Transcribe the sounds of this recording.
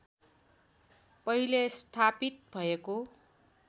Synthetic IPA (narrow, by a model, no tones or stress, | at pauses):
pʌilest̪ʰapit̪̚bʱʌeko